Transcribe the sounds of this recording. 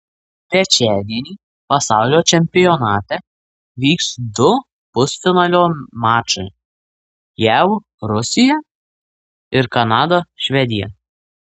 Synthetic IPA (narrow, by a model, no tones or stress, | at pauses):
t̪ʲɾʲɛt͡ʃʲæːd̪ʲiɛnʲiː | pɐsɑˑʊlʲoːt͡ʃʲɛmʲpʲɪjɔnɑːt̪ʲɛ | ʋʲiːksd̪ʊ | pʊsfʲɪnɑːlʲoːmɑːt͡ʃɐɪ | jæʊ | ɾʊsʲɪjɛ | ɪɾkɐnɑːd̪oːʃʲʋʲɛd̪ʲɪjɛ̰